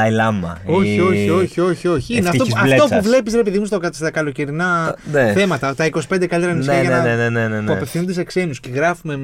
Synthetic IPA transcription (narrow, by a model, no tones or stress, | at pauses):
ɐilɐmɐ̰o̞çio̞çio̞çio̞çio̞çiineɐft̪oiɐlt̪opuvle̞pisɾe̞piðimus̬t̪oɐst̪ɐkɐlo̞ciɾinɐneθe̞mɐt̪ɐt̪ɐikosi̥pend̪ekɐlit̪ɾɐnisijɐenenenenenpuɐpefθinund̪esekse̞nusceɣɾɐfume̞